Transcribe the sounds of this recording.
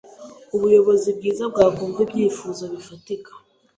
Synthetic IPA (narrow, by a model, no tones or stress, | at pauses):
uβujo̞βo̞zib̚ɡiːzabɡaːkuːmvebjiːfuːzaβifatikḁ